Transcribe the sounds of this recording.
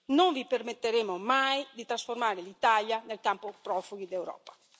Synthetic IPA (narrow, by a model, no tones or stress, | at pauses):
noɱvipermet̪ːeɾemʊmajd̪it̪ɾasformaːɾɪlit̪aljanelkampʊpɾɔfuɡid̪ewɾɔ̰ːpḁ